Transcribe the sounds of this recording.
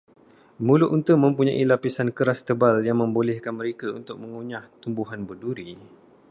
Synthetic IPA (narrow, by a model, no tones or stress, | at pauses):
mũlʊʔunt̪əmə̃mpuɲãʔilapisankəɾast̪əbaljaŋmə̃mbolɛhkanmə̃ɾekaṵnt̪ʊk̚mə̃ŋuɲaht̪umbuɦanbəduɾi